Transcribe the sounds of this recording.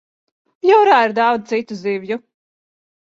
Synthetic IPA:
jɔwɾaːiɾd̪awd̪̚t̪sit̪uzivju

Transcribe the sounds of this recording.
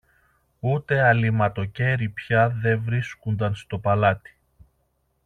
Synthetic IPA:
ut̪e̞ɐlimɐt̪o̞ce̞ɾipçɐðe̞vɾiskund̪ɐnst̪o̞pɐlɐt̪i̥

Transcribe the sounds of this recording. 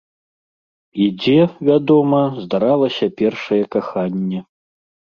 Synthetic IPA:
id͡zʲɛvʲad̪ɔmɐzd̪aɾalˠɐsʲɐpʲɛrʂɐjɛkaxanʲːɛ

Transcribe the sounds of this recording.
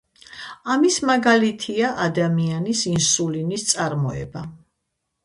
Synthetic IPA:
amismaɡalit̪ʰiaʔad̪amianisinsulinist̪sʼaɾmɔɛ̰ba

